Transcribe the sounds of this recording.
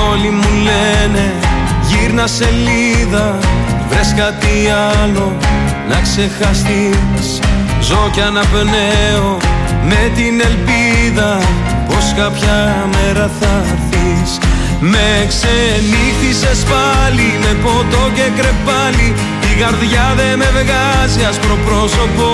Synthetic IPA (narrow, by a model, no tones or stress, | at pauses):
olimulene̞ | ʝiɾnɐse̞liðɐvɾeskɐt̪iɐlo̞ | nɐkse̞xɐst̪is | zo̞cɐnɐpneo̞me̞t̪ine̞lpiðɐ | po̞skɐpçɐ | meɾɐθɐ | ɾθi | s | meksenixtise̞spɐlime̞po̞t̪o̞ce̞kɾe̞fɐli | iɣɐɾðʝɐðe̞me̞vɣɐziɐspɾo̞pɾo̞so̞po